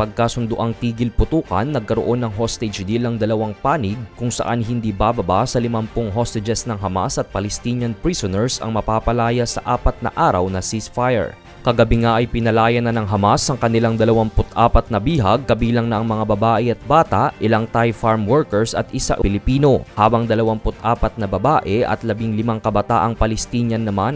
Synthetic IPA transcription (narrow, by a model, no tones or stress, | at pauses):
pɐɡ̚kasʊnd̪ʊʔaŋt̪iːɡɪlpʊt̪uːkɐ̰nːɐɡ̚kɐɾoʔo̞nːɐŋɦost̪ɛd͡ʒd̪ilɐŋd̪ɐlɐwaŋpaːnɪɡ̚kʊŋsɐ̰ʔanɦɪnd̪iːbabɐbasɐlɪmɐmpoŋɦost̪ɪd͡ʒɛsnɐŋɦɐma̰sɐt̪̚pɐlɛst̪iːɲɐnpɹisonɛɹsɐ̰ŋmɐpaːpɐlaːjɐsɐ̰ʔaːpɐt̪̚nɐ̰ʔaːɾɐ̰wnɐsisfajɛ̰ɹ | kɐɡɐbɪŋaʔɐjpɪnɐlaːjɐnɐnɐŋɦɐmasɐŋkɐnɪlaŋd̪ɐlɐwampʊt̪ʔaːpɐt̪̚nɐbiːɦɐɡ̚kɐbiːlɐŋnɐʔɐŋmɐŋabɐbaːʔɛʔɐt̪̚baːt̪aʔʔɪlaŋt̪ajfaɹmwɛɹkɛɹsɐ̰t̪ʔɪsa̰ʔɪlɪpiːno̞haːbɐŋd̪ɐlɐwampʊt̪ʔaːpɐt̪̚nɐbɐbaːʔɛʔɐ̰t̪lɐbiŋlɪmaŋkɐbɐt̪a̰ːʔɐŋpɐlɛst̪iːɲɐnːɐman